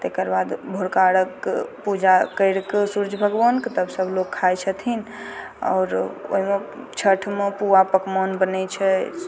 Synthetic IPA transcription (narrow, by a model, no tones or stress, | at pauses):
t̪ekəɾbad̪bʱoɾkaɽəkpud͡ʒakəjɽksuɾd͡ʒʱbʱəɡbənkt̪əbsəbʱlokʰːajt͡ʃʰət̪ʰin | ɔ̰ːɾo̰ɦimet͡ʃʰəʈʰmepuapəkmɔnbənɛt͡ʃʰɛ